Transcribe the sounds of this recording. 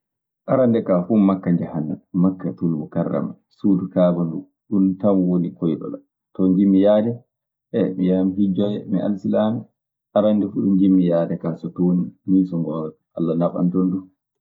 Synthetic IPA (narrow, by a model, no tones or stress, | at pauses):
ʔaɾandɛkafumakːaɲd͡ʒahanːamakːatulbɔkarːa̰ma | suːdukaːbandu | ɗuntamwonikɔjɗɔ̰la̰ | tɔɲd͡ʒimːijaːdɛ | ʔɛmijamihid͡ʒɔjɛmḭʔa̰lsilaːmɛ | ʔaɾandɛfuɗuɲd͡ʒimːijaːdɛkasɔtoːnimiːsɔŋɡɔːɾɔ | ʔa̰lːanafa̰ntɔndu